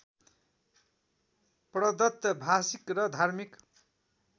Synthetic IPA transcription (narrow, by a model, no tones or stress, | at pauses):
prʌd̪ʌt̪jʌbʱasikrʌd̪ʱarmik